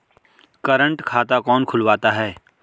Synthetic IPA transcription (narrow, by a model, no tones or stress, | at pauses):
kəɾə̃ɳʈkʰaːt̪akɔːnkʰʊlʋaːt̪aɦɛː